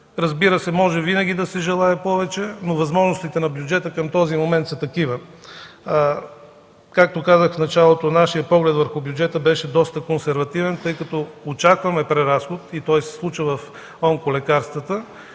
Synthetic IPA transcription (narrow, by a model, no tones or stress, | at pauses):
ɾɐzbiɾəsɛmɔʒɛvinɐɡʲid̪ɐsɛʒɛlˠaɛpɔvɛt͡ʃɛnovɐzmɔʒnost̪it̪ɛnɐbjud͡ʒɛt̪əkəmt̪ɔzimomɛnt̪sɐt̪ɐkivə | kak̚t̪okazəxfnɐt͡ʃalˠot̪onaʃijəpɔɡlɛt̪vəɾxʊbjud͡ʒɛt̪əbɛʃɛd̪ɔst̪əkonsɛɾvɐt̪ivɛnt̪ɤjkɐt̪ɔot͡ʃakvɐmɛpɾɛɾasxot̪it̪ɔjsɛ̥slˠut͡ʃəvɐf | ɔŋkolɛkaɾst̪vət̪ə